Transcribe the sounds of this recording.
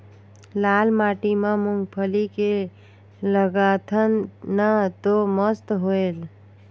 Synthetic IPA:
lalmaʈimemuŋɡpʰəlike | ləɡat̪ʰənnət̪oməst̪ɦoel

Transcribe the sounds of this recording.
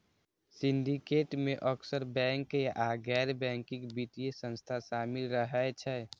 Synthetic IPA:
sinɖikeːʈmeʔəksəɾbɛ̃ŋkjʔaɡɛːɾbɛ̃ŋkĩkbiʈiesə̃nst̪ʰaʃaːmilɾəɦɛt͡ʃʰɛ

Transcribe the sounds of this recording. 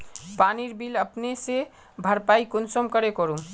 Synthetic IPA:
paniɾbiləpnese | bʱəɾpaikʊnsomkəɾekɔɾu

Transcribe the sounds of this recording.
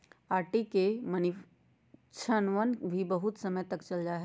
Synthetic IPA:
aːɾʈikeməni | t͡ʃʰənʋənbʱibəɦʊt̪səməjt̪ɐkt͡ʃɐld͡ʒaɦɛ

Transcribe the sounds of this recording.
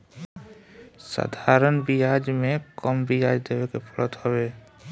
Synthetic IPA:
sa̰d̪ʱaɾənbijad͡ʒmekəmbijad͡ʒd̪ebekepʰɔlət̪hɔbe

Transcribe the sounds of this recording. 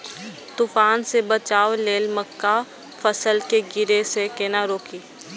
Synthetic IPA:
t̪uːfaːnsebət͡ʃaːwleːlməkːa | fəsəlkeɡɪɾesekeːnaɾoːkiː

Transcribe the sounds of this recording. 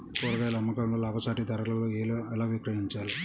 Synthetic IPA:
koːɾɐɡɐjlɐmːɐkɐɳlɐlaːbʱɐsaːʈid̪ɐɾɐlɐloːelɛlaːʋikɾɐɦiɲt͡ʃaːli

